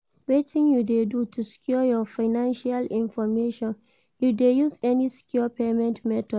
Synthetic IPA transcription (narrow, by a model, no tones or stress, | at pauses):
wetʰɪ̃njudedutʰuskʰjɔjɔfaɪnãnʃalĩnfɔmeʃɔ̃n | judejusɛniskʰjɔpʰemɛ̃ntmɛtʰɔd